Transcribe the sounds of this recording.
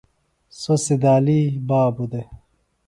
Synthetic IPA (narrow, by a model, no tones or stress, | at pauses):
sosid̪aːlibaːbud̪e